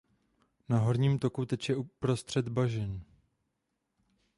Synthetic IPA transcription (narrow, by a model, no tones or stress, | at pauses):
naɦo̞ɾɲiːmt̪o̞kut̪ɛcjɛupɾo̞st̪r̝̥ɛd̪baʒɛn